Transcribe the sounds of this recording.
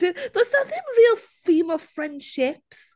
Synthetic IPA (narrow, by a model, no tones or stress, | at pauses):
ɪðəzðəθɪ̃ŋɹilˠfimə̥fɹɛ̃nd̥ʃɪps